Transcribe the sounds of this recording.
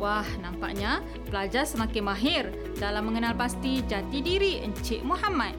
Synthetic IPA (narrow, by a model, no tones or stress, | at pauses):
wahnãmpa̰ʔɲa | pəlad͡ʒarsəmakɪnmaɦɪr | dalamːəŋənalpast̪id͡ʒat̪idiɾiəɲt͡ʃɪʔmuɦamat̪̚